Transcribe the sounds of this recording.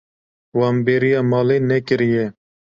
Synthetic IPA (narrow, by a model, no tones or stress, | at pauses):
wɑːmbeːɾijɑːmɑːleːnɛkɨɾijɛ